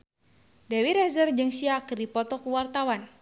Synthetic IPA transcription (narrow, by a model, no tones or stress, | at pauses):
dɛwiɾɛzərd͡ʒɨŋsiakɨrdipɔt̪ɔkuwart̪awan